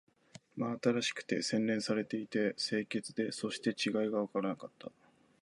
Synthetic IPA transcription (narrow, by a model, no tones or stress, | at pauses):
maːt̪aɾaɕi̥kɯ̟̥t̪e̞̰sẽ̞nɾẽ̞ɰ̃saɾe̞t̪e̞it̪e̞se̞ːke̞t͡sɨd̪e̞so̞ɕi̥t̪e̞t͡ɕiɡaiɡaβ̞akaɾanakat̪ʰːa̰